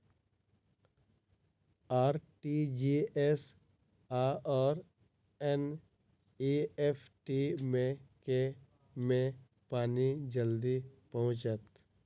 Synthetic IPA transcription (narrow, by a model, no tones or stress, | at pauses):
aːɾʈid͡ʒies | aɔːɾ | en | iepʰʈimẽke | mẽ | paːnid͡ʒəld̪ipəɦʊ̃t͡ʃət̪